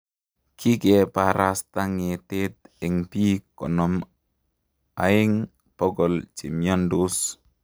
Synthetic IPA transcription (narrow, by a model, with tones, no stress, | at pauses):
kʰi˦kepaɾast̪a˦ŋete˦t̪ɛ˨ŋpi˦kɔ˨nɔm | a̰ɪ˦ŋ | pɔ˦ɡɔlt͡ʃi˨mja˦ndus